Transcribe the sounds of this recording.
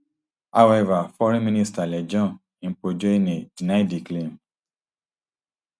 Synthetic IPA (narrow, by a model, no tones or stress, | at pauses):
hawɛvafɔɾɛ̃mĩnistalɛd͡ʒɔ̃ | ĩpod͡ʒoenẽd̥inaidiklem